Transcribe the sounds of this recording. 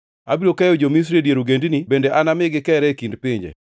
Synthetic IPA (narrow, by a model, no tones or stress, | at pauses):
abiɾokajod͡ʒomis̬ɾidjeɾuɡendinibendeʔanamɪɡɪkɛɾɛkindpɪɲd͡ʒḛ